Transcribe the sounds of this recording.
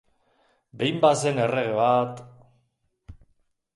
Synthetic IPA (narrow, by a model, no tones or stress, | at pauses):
bejmbasenereɣeβat̪